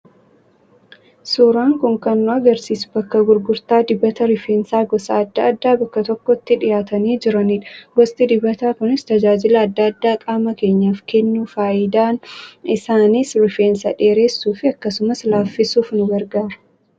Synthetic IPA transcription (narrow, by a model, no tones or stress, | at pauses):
suːɾaːŋkʊŋkɐnːʊɐɡɐɾsiːsbɐkːɐɡʊɾɡʊɾt̪aːd̪ɪbːɐt̪ɐɾɪfeːnsaːɡɔsɐ̰ɐd̪ːɐɐd̪ːaːbɐkːɐt̪ɔkːɔɪt̪ːɪᶑɪjaːt̪ɐniːd͡ʒɪɾɐniːᶑɐɡɔst̪ʼɪd̪ɪbɐt̪aːkʊnɪst̪ɐd͡ʒaːd͡ʒɪlɐːd̪ːɐɐd̪ːaːkʼaːmɐke̞ːɲːaːfkɛnːuːfaːjɪd̪aːnɪsaːniːsɾɪfeːnsɐᶑe̞ːɾeːsːuːfɪɐkːɐsʊmɐslaːfːɪsuːfnʊɡɐɾɡaːɾɐ̥